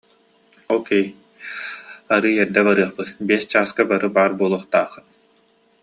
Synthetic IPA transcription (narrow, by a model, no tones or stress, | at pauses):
okej | aɾɯɛɾd̪ɛbaɾɯːɐχpɯt̪biɛst͡ɕaːskabaɾɯbaːɾbuɔlˠuχt̪aːχɯt̪